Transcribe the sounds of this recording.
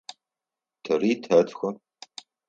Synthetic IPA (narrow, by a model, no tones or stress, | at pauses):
tʰɐriːtʰɐtʰxʷɐ